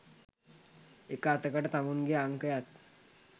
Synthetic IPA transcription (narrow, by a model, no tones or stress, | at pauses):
ekəat̪əkəʈət̪amunɡeaŋkəjat̪